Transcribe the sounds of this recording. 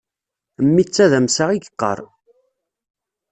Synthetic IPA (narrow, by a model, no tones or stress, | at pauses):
mːit͡sːæðæmsaʁiɡəqːə̰ɾˤ